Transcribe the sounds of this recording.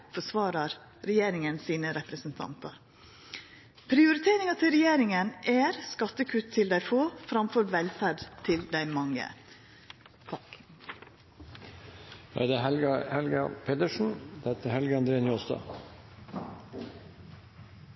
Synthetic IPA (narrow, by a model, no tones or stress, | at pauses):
fɔʂʋɑːɾɑɾ | ɾɛjeːɾɪŋənsiːnəɾɛpɾəsənt̪ʰɑ̰nt̪ɑɾ | pʰɾɪʊɾɪt̪ʰeːɾɪŋɑt̪ʰɪlɾɛjeːɾɪŋənʔæɾskɑt̪ːəkʰʉt̪ʰːɪld̪æɪfoːfɾɑmfɔɾʋɛlfæɖt̪ʰɪld̪æɪmɑŋə̰ | hɑ̰d̪ɛɦɛlɡɑhɛlɡɑpʰeːd̪əʂɳn̩d̪ɛt̪əhɛlɡəɑnd̪ɾeːnjoːst̪ɑ̰ː